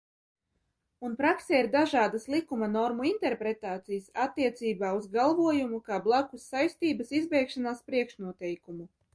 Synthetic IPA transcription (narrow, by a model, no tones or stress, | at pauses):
unpɾakseiɾd̪aʒaːd̪aslˠikumanɔɾmuint̪ɛɾpɾet̪aːt̪sijasat̪ːiɛt̪siːbaːuzɡalˠvuɔjumukaːblˠakusːajst̪iːbasizbɛjkʃanaːspɾiɛkʃnuɔt̪ɛjkumu